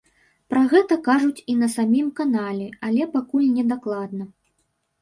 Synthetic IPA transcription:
pɾɐɣɛt̪ɐkaʐut͡sʲinɐsamʲimkanalʲɛalʲɛpakulʲnʲɛd̪aklˠad̪nɐ

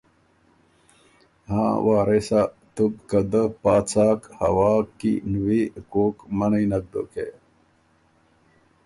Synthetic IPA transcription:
hã̰ːwaːɾesa | t̪ubkəd̪əpaːt͡saːkhɐ̰waːkːḭnwikoːkmɐnɐinɐk̚d̪o̰kḛ

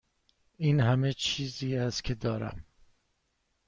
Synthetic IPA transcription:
iːnɦæmet͡ʃʰiːziːæst̪cʰed̪ɒːɾæ̰m

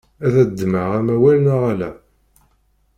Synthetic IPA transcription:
æðæd̪ːməʁæmæwælnəʁælæ̰

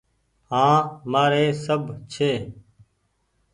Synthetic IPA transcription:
ɦãːmaːɾeːsəbʱt͡ʃʰeː

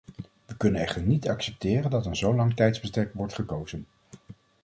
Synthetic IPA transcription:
ʋəkɵnənɛχtəɹnitɑksɛp̚tɪːrəndɑtənzowlɑŋtɛjtzbəstɛɹkʋɔɹtχəkowz̥ən

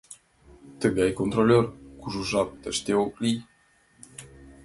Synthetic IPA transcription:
t̪əɡeɑjkont̪rolʲørkuʒuʒɑp̚t̪əʃt̪eoklij

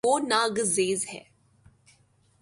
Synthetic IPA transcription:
oːnaːɡzeːzɦɛ̰ː

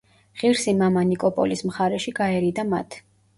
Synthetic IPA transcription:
ʁiɾsimamanikʼɔpʼɔ̰lismχaɾɛʃiɡaɛɾid̪ama̰t̪ʰ

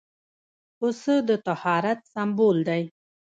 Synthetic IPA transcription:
ʊsəd̪ət̪ahɑɾat̪sambold̪aj

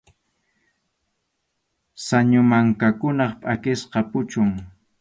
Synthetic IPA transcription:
saɲʊmaŋkakʊnɑχpʼakɪsqɑpʊt͡ʃʊŋ

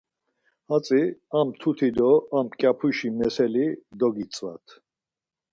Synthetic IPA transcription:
hat͡sʼiamt̪ʰut̪ʰid̪ɔamkʼjapʰuʃimɛsɛlid̪ɔɡit͡sʼva̰t̪ʰ

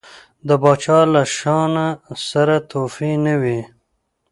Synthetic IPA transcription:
d̪əbɑːt͡ʃɑlaʃɑnasaɾat̪ofinawi

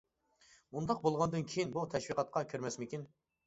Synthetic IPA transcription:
und̪ɑq̚bolˠʁɑnd̪ɨnkʲʰejinbut̪ʰɛʃwiqɑt̪̚qʰɑkʲʰyɾmɛsmɪkʲin

